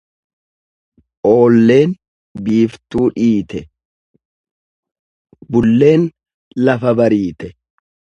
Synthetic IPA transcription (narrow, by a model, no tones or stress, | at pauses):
ʔo̞ːlːe̞ːn | biːft̪uːᶑiːt̪ʰɛ | bʊlːe̞ːn | lɐfɐbɐɾiːt̪ɛ